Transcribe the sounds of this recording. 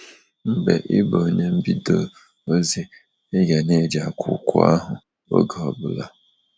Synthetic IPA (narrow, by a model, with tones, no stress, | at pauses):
m̩˦be˨ʔɪ˦bo˨ɲe˦m̩˦bi˦do˨ | o˦ze˦ | e˦ɡa˨ne˦˨d͡ʒa˨kʰʊ̰˨kʷʊ̰˦a̰˦ɦʊ˨ | o̰˦ɡa˨ɔ˨bʊ˨la˦